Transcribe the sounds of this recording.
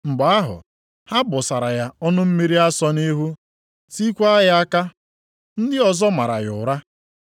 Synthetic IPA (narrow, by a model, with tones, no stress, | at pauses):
ŋ͡m̩˨ɡ͡ba˨˦a˦ɦʊ̰˨ | ha˦bʊ˨sa˨ɾa˨ja˦ɔ˦nʊ˦m̩˦me˦ɾi˦a˦sɔ˦ni˦ɦu˦ | si˦kʷa˦a˦ja˦a˦ka˦ | n̩˦dɪ˦ɔ˨zɔ˦ma˨ɾa̰˨ɣʊ̰˨ɾa˦